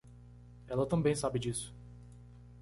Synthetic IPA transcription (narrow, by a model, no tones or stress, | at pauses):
ɛlɐt̪ɐ̃mbẽj̃sabɪd͡ʒisʊ̥